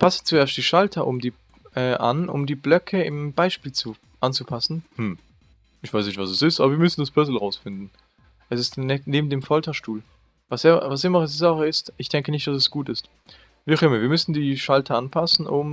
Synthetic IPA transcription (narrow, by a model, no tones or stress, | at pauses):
pʰasnt͡sueːɐstd̥iːʃaltʰɐʔʊmdiː | ʔɛːʔa̰nʔʊ̰mdiːblœkʰəɪmb̥aɪʃpiːlt͡su | ʔant͡supʰasn̩hm̩ | ʔɪçv̥aɪsnɪçtv̥asɛsɪstaːbɐviːɐmʏsn̩dasb̥œzl̩ʁaʊsfɪndn̩ | ʔɛsɪstnɛneːbm̩deːmfɔltɐʃtuːl | vasɪvas̬ɪmɐʁɛs̬izaχəɪstɪçd̥ɛŋkənɪçtd̥as̬ɛsɡ̥uːtɪst | viʁɪməviːɐmʏsn̩diːʃaltʰɐanpʰasn̩ʔʊm